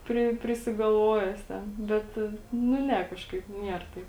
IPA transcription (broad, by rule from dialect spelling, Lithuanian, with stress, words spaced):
ˈpʲrʲɪ pʲrʲɪsʲɪɡɐlˠˈʋoːjɛ jɪs ˈtʲɛn ˈbʲɛt nʊ ˈnʲɛ ˈkɑːʃkɐɪp ˈnʲiɛr tɐɪp